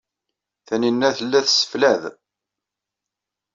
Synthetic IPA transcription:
θæninːæθəlːæθsə̥flæð

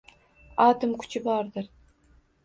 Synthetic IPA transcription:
ɑːt̪ɨmkʰʊ̥t͡ʃʰɪbɑɾd̪ɨɾ

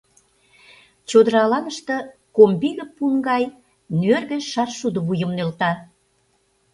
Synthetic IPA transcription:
t͡ɕod̪əɾɑlɑnəʃt̪ɤ̆kombiɣə̆pːuŋɡɑj | nyørɣĕʃɑrʃud̪ə̆βujə̆mnølt̪ɑ

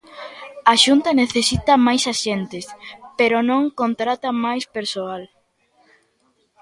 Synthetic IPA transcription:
aʃunt̪ɐneθesit̪ɐmajsaʃent̪ɪspeɾonõŋkont̪ɾat̪ɐmajspeɾsoal

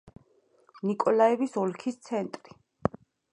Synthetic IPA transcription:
nikʼɔlaɛvisɔlkʰist̪sʰɛnt̪ʼɾi

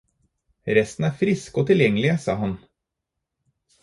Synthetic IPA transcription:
ɾɛst̪n̩æːɾfɾɪskoːt̪ʰɪljɛŋːəlɪsɑ̰ːɦɑn

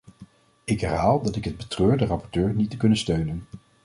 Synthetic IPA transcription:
ɪkɦɛɹɦaːlˠdɑtɪkɦəd̚bətrøːɹdərɑpɔɹtøːɹnitəkɵnənstøɥnən

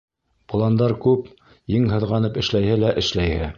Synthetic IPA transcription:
pŏlˠɑnd̪ɑɾkʉp | jiŋɦɤ̆ðʁɑnɤpɘ̆ʃlæjhɘlæʔɘ̆ʃlæjhɘ

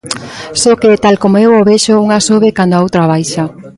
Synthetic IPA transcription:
soket̪alkomoewoβɛʃouŋasoβekand̪oaowt̪ɾaβajʃa

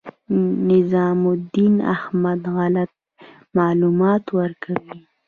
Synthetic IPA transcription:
nɪzɑmʊd̪ina̰hmad̪ɣalat̪̚ | mɑlumɑt̪wəɾkawi

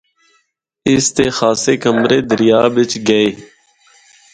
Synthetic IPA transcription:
ɪst̪eːxaːseːkəmɾeːd̪əɾjaːbɪt͡ʃɡəeː

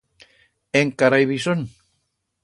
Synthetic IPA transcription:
eŋkaɾajβison

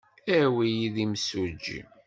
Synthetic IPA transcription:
æwijiðimsud͡ʒːḭm

